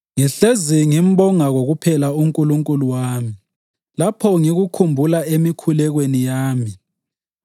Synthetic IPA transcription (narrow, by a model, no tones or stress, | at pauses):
ŋiɬeziŋim̩ɓɔŋaɣoɣupʰɛlauŋkʼuluŋkʼuluwaːmi | lapʰɔŋiɣukʰumbʱulaemikʰulɛɣwenijaːmi